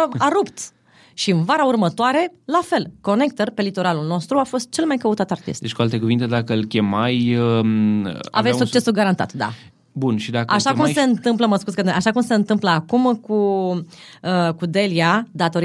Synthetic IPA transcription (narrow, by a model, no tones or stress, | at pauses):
aɾupt̪ | ʃiɨnvaɾaurmət̪oaɾe̞lafe̞lko̞ne̞k̚t̪ərpe̞lit̪o̞ɾalulno̞st̪ɾuafo̞st̪̚t͡ʃe̞lmajkəut̪at̪art̪ḭst̪d̪et͡ʃʲkualt̪e̞kuvint̪e̞d̪akəɨlkʲe̞majə | a̰vessuk̚t͡ʃe̞suɡaɾant̪a̰t̪d̪a̰ | bunʃid̪aka̰ʃakkumse̞ɨnt̪ɨmpləməskuzkəaʃakumse̞ɨnt̪ɨmpləakumku | əkud̪e̞liad̪at̪o̞ɾ